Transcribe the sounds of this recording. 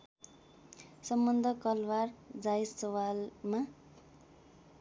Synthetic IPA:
sʌmbʌnd̪ʱʌkʌlward͡zajsʌwalma

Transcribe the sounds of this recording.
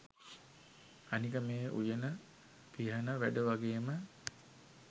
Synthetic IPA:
anikəmeːʔṵjənə | piɦɐnəʋæɖəʋaɡeːmə

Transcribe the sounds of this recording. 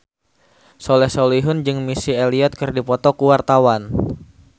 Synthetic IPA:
solɛhsoliɦʊnd͡ʒɨŋmisieliɔt̪̚kɨrdipɔt̪ɔkuwart̪awan

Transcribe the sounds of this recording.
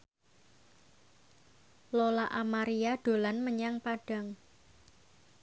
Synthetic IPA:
lolaʔamaɾiaɖ̥o̤lanməɲaŋpaɖ̥a̤ŋ

